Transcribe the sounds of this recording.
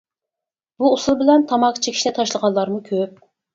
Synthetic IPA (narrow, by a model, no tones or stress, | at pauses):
b̥uosulˠbɪlɛnt̪ʰɑmɑqʰːt͡ʃʰekʲʰi̥ʃlɛt̪ʰɑʃlˠəʁɑnlˠɑɾmukʲʰøp̚